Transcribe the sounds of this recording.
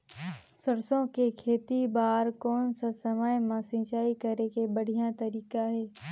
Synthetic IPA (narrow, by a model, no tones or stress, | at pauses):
səɾsõkekʰeːt̪ibaːɾkɔːnsasɐməjmãsɪ̃ːt͡ʃaːikəɾekebəɽ̤ijat̪ɐɾiːkaɦɛː